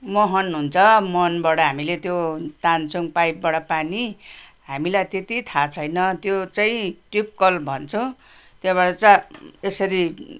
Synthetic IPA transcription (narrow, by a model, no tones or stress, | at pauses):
mʌɦʌnɦunt͡sʰʌmʌnbaɽʌɦamilet̪jot̪ant͡suŋpajp̚baɽʌpaniɦamilajt̪et̪it̪ʰat͡sʰʌjnʌt̪jot͡saĩʈrip̚kʌlbʱʌnt͡sʰõ | t̪jeβaɽʌt͡saesʌɾi